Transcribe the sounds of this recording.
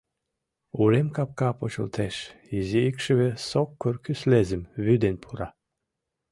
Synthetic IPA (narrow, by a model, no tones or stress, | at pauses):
uɾemkɑp̚kɑpot͡ɕə̰lt̪ʰeʃiziikʃɘ̆βĕsokːorkyslezə̆mβyd̪enpʰuɾɑ